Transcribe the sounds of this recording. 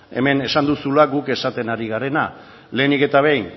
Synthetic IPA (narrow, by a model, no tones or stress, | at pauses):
e̞̰me̞ne̞sand̪usulaɡuke̞sat̪e̞naɾiɣaɾe̞na | le̞ːnike̞t̪aβ̞ejn